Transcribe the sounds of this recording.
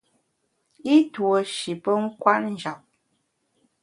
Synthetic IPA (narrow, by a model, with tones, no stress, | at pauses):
i˦twə˨ʃi˨pə˦ŋ̩˦kwa˦ʔn̩˦d͡ʒa˨p̚